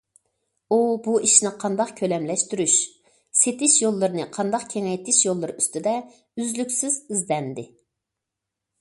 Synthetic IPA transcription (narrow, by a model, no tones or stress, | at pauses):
ubuiʃnɪqʰɑnd̪ɑqkʲʰølɛmlɛʃt̪yɾyʃ | set̪ɪʃjolˠːɨɾɨnɨqʰɑnd̪ɑqkʲʰeŋɛjt̪ʰɪʃjolˠːɨɾɨyst̪ɪd̪ɛ | yzlykʲsɪzizd̪ɛnd̪ɪ